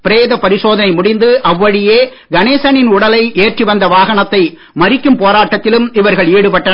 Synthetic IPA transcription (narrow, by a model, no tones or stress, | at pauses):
pɪɾeːðɐpɐɾɪsoːðɐnɐɪmʊɽɪnd̪ɯʔɐʋːɐɽɪjeː | ɡɐneːsɐnɪnʊɽɐlɐɪʔeːʈriʋɐnd̪ɐʋaːɣɐɳɐt̪ːɐɪ | mɐɾɪkːɯmpoːɾaːʈːɐt̪ːɪlɯmɪʋɐɾɣɐɭiːɽɯpɐʈːɐ